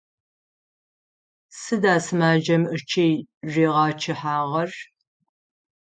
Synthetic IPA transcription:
sɨdaːsɨmaːd͡ʒɐmət͡ʃʰejʒeːʁɑːt͡ʃʰɪħaːʁɐr

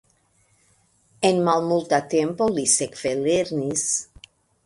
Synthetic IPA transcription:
enmalmult̪at̪empolisekfeleɾnis

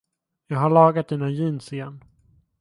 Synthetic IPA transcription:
jɑːɡɦaɭɑːɡat̪̚d̪iːnajiːnsɪjɛnː

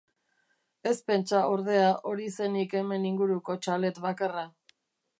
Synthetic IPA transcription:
e̞spe̞nt͡ʃao̞ɾðe̞aʔo̞ɾise̞nike̞me̞niŋɡuɾuko̞t͡ʃale̞t̪βakara

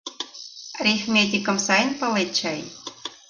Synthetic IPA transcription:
rʲexmʲet̪̬ʲikə̆msɑjənpɤ̆let̪t͡ɕɑj

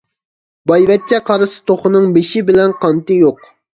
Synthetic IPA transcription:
bɑjvɛt̪̚t͡ʃʰːɛqʰɑɾɨsɨ̥t̪ʰoχʊnɨŋbeʃɪbɪlɛnqʰɑnt̪ɨjoq

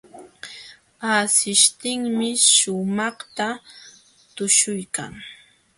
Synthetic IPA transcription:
asɪʃt̪ɪŋmɪʃʊmɑχt̪a | t̪ʊʃʊjka̰ŋ

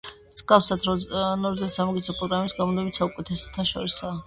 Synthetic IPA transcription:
mz̥ɡafsad̪ɾɔnɔɾd̪ɛlsamɔɡit̪sʰɛpʼɾɔɡɾamɛbisɡamɔnd̪ɛbit̪saukʼɛt̪ʰɛsɔ̥t̪ʰanʃɔ̰ɾisa

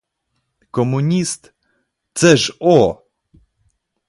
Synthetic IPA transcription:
kɔmuɲʲist̪ | t̪sɛʂɔ

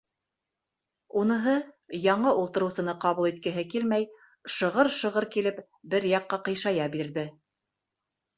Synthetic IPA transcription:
unɤ̆ɦɤ | jɑɴɤʔulˠt̪ɤ̆ɾɤ̆wsɤ̆nɤqɑβulˠit̪̚kɘ̆ɦɘkilmæj | ʃɤ̆ʁɤɾʃɤ̆ʁɤɾkilɘp | bɘɾjɑqːɑqɤ̆jʃɑjɑbiɾðɘ

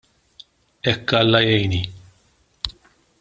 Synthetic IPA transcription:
ɛkːɐlːɐjɛjni

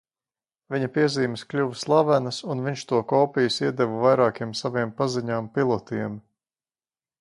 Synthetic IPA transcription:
viɲɐpiɛziːmɪsklʲuvslˠavænɐsunviɲʲʃt̪uɔkɔːpijusiɛd̪ɛvavajɾaːkiɛmsaviɛmpaziɲaːmpilˠɔt̪iɛm

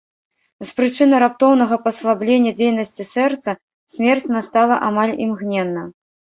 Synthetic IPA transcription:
spɾɨt͡ʂɨnɨɾap̚t̪ɔwn̪ɐɣɐpɐslˠablʲenʲːɐd͡zʲejnɐsʲt͡sʲisɛrt̪sɐ | sʲmʲɛrt͡sʲnast̪alˠɐʔamalʲḭmɣnʲɛnːɐ

